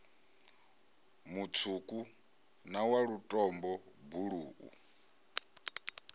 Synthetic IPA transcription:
mut͡sʰukʼu | nawaɺutʼɔmbɔbuɺuːʔṵ

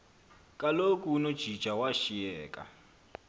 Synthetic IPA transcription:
kʼalokʼuːnod̥ʒ̥ʱi̥ʒ̥ʱawaʃiɛːkʼa̰

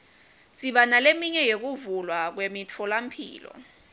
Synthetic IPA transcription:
siɓanalemiɲɛjek̬uvulwak̬wemitʰɔlam̩pʰḭːlɔ̰

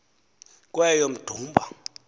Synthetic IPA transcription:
k̬ʼwɛjɔm̩d̥ʱuːmbʱa

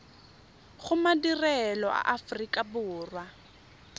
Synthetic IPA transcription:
χʊmadirɛlɔʔa̰ʔafrikʼabʊːrwa

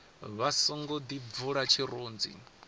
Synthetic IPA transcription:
βasɔŋɡɔd̪ivuɺat͡ʃʰiɾuːnd͡zḭ

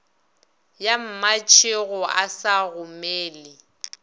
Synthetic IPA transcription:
jam̩mat͡ʃʰɪɣɔasaɣʊmeːlɪ

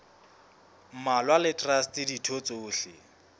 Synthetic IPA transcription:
m̩malwalɪtʼrastʼɪditʰot͡sʼoːɬɪ̰

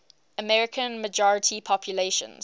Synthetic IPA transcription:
əmɛɹɪkʰə̃nməd͡ʒɔɹɪtʰipʰɔpʰjuleʃə̰̃nz

